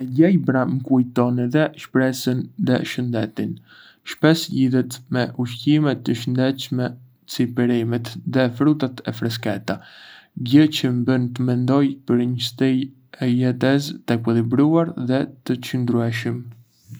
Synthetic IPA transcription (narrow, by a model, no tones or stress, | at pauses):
ɟɛjbɾaməkujt̪ɔnɛðɛʃpɾɛsənðɛ̰ʃənd̪ɛt̪in | ʃpɛsʎiðɛt̪mɛʔuʃcimɛt̪ːəʃənd̪ɛt͡ʃmɛ | t͡sipɛɾimɛt̪ðɛfɾut̪at̪ɛ̰fɾɛskɛt̪aɟət͡ɕəmbənt̪əmɛnd̪ɔjpəɾɲəst̪ij | ɛjɛt̪ɛst̪ɛkwəðibɾuaɾðɛt̪ət͡ʃənd̪ɾuɛʃəm